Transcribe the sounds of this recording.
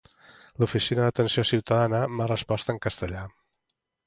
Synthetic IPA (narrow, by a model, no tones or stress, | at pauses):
lufisinəðət̪ənsiosiwt̪əðanəmarəspɔst̪əŋkəst̪əʎa